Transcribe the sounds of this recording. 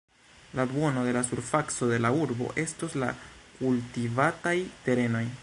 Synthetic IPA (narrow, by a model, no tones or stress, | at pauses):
labwo̞no̞de̞lasuɾfakso̞de̞lauɾbo̞̰ʔe̞stosla̰kultivatajte̞ɾe̞no̞j